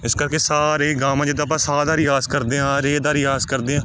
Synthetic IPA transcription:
ɪskəɾkeːsaːɾeːɡaːmãːd͡ʒɪd̪aːp̬ãːsaːd̪aːɾɪjaːzkəɾd̪eːɦãːɾeːd̪aːɾɪjaːzkəɾd̪eːãː

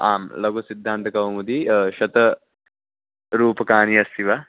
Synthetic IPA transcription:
aːmlɐɡusid̪ʱːaːnt̪ɐkɐwmud̪iʃɐt̪ɐ | ɾuːpɐkaːniɐst̪iʋa

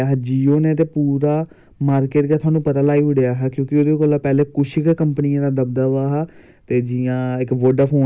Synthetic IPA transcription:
aɦɛd͡ʒiːoːneːt̪̬eːpuːɾaː | maːɾkeːʈɡaːt̪ʰwaːnũːpət̪aːlaːiːʊɽeaːɦɛːkjõːkɪod̪eːkoːlaːpɛːleːkʊʃʰɪkkəmpənɪjãːd̪aːd̪əb̚d̪aːʋaːɦɛː | t̪eːd͡ʒɪjãːɪkʋəɖaːpʰoː

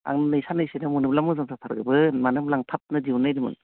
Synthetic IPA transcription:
a̰ŋnɯnɯjsanɯjsɯnɯmunɯblamɯzamsʰatʰaɾɡɯbɯmanɯmlaŋtʰap̚nɯdiunɯjdɯmṵn

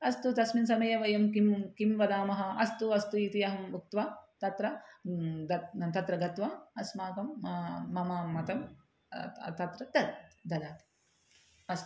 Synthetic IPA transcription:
ɐst̪ut̪ɐsmins̬ɐmɐjɐʋɐjɐmkimkimʋɐd̪aːmɐɦɐ̆ɐ̰st̪uɐst̪uit̪ijɐɦɐmbuk̚t̪ʋaːt̪ɐt̪ɾɐ | ɐt̪ɐt̪ɾɐɡɐt̪ʋaɐsmaːkɐmːɐmɐmɐt̪ɐm | t̪ɐt̪ɾɐd̪ɐd̪d̪ɐlaːt̪i̥ | ɐst̪

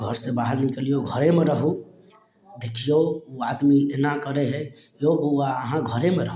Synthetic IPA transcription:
ɡʱəɾsẽbaɦəɾnikəlijoɡʱəɾemeɾəɦu | d̪ekʰijouad̪mienakəɾeɦɛjoʔaəɦãɡʱəɾemeɾəɦ

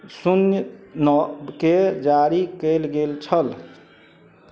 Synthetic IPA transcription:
sunjənɔbked͡ʒaɾikəjlɡelt͡ʃʰəl

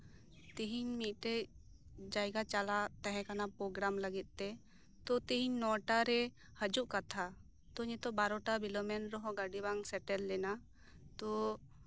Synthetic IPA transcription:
t̪iɦiɲmit̪̚ˀʈɛ | d͡ʒajɡat͡ʃalat̪aɦɛ̃kanapɾoɡɾamləɡit̪̚t̪ɛ | t̪ɔt̪iɦiɲnɔʈaɾɛ | həd͡ʒuʔkat̪ʰa | t̪ɔɲɛt̪ɔbaɾɔʈabilɔmɛnɾɔɦɔ̃ɡaɖibaŋsɛʈɛlːɛna | t̪ɔ

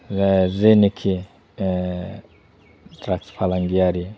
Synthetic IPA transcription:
zɛzenikʰi | dɾakspalaŋɡiaɾi

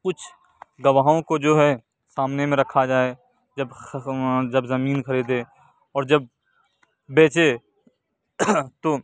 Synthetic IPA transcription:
kʊt͡ʃʰ | ɡɐʋaːɦõkod͡ʒoːɦɛ | saːmnemẽɾɐkʰad͡ʒaːe | d͡ʒɐb | d͡ʒɐbzɐmiːnxɐɾiːd̪ẽː | ɔːɾd͡ʒɐb̚ | beːt͡ʃe | t̪oː

